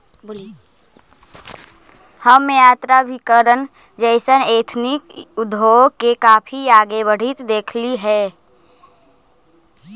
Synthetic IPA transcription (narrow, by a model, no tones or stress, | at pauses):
həmmejaːt̪ɾabʱikəɾən | d͡ʒəɪsəneːt̪ʰnɪkʊd̪ʱːoːkekaːpʰiaːɡeʋəɽ̤it̪d̪eːkʰliɦɛː